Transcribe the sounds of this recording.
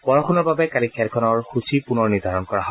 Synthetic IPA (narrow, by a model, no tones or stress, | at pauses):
b̥ɔɹɔxʰunɔɹbabɛkalikʰɛlkʰɔnɔɹxusipunɔɹniɹd̪ʱaɹɔnkɔɹaɦɔ